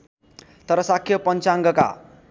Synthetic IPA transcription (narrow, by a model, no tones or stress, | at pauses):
t̪ʌɾʌsakʰːjʌpʌnt͡saŋɡʌka̰